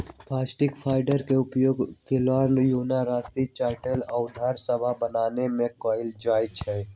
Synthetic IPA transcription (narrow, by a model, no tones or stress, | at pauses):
plaːsʈɪkpʰaːɪɖəɾkeʊpjoːɡkɪlaːnjoːnaɾaːsit͡ʃaːʈələʊd̪ʱaːɾsɐbʱabɐnaːnemẽkɔːɪld͡ʒaːɪt͡ʃʰɛː